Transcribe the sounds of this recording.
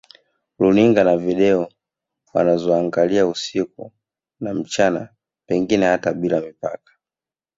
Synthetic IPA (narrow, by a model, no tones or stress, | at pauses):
luniŋɡanaviɗɛɔ | wa̰nazɔaŋɡaliausik̚u | nam̩t͡ʃana̰ | pɛŋɡinɛhataɓilamipa̰kḁ